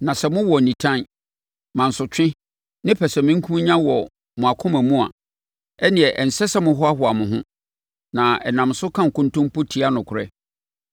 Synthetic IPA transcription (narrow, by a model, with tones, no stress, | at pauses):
nã˨sɛ˨mʊ̃˦wɔ˨nĩ˨tʰã˦n | mã˨n̩˨sʊ˨t͡ɕᶣɪ̃˦ | nɪ̃˦pʰɛ˨sɛ˨mɪ̃˦ŋ˦kʰũ˦m˦ɲã˦wɔ˨ | mʊ̃˨a˨kʰʊ̃˦mæ̃˨mũ˦a̰˨ | ɛ˦nɪ̃˨ɛ˨ʔɛ˨n̩˨sɛ˦sɛ˦mʊ̃˦ɦɔ˦a˦ɦʊ˨a˨mʊ̃˨ɦʊ̃˦ | nã˨ɛ˨nã˨msʊ˦kʰã˦ŋ̩˨kʊ̃˦ntʊ̃˦m˦pʊ˦tʰi˦a˦nʊ̃˨kʰʊ˨ɾɛ̰˦